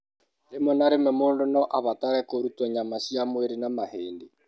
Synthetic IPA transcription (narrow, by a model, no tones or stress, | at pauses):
ɾemɔnaɾemɛmoːndonɔʔaβataɾɛkoɾutɔɲamasjamweɾenamaheːnde